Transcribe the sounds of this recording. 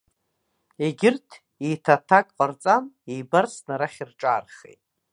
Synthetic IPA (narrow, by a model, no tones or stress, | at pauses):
eɡʲɪrtʰ | ijtʰatʰakʼqʼart͡sʼanejbarsnaɾaχʲirʈ͡ʂʼaːrχḛjtʼ